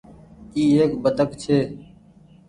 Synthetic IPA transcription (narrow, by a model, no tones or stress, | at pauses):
iːɦeːkbəd̪əkt͡ʃʰeː